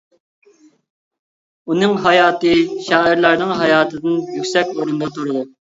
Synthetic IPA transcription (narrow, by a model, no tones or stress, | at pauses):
unɨŋɦɑjɑːt̪ɨʃɑːiɾlˠæɾnɨŋɦɑjɑːt̪ʰɨd̪ɨnjykʲsɛkʲoɾɨnd̪ɑt̪ʰuɾɨd̪u